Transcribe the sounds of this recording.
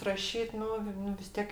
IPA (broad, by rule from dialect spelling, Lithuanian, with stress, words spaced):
rɐˈʃʲiːt ˈnʊ ˈnʊ ʋʲɪs ˈtʲiɛk